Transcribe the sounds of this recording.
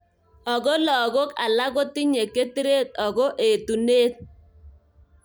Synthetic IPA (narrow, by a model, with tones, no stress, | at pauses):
ɔ˨ɡo˦lɔ˨ɡo˦ka̰˨la˦ɣo˦ti˦ɲe˨ke˦ti˦ɾe˦t̚ɔ˨ɡo˦ʔe˨tu˨neː˦t̚